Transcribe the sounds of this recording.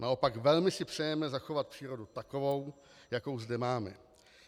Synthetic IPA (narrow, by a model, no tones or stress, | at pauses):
nao̞paɡvɛlmɪsɪpr̝̥ɛjɛmɛzaxo̞vat̪̚pr̝̥iːɾo̞dut̪ako̞vo̞w | jako̞wzdɛmaːmɛ̰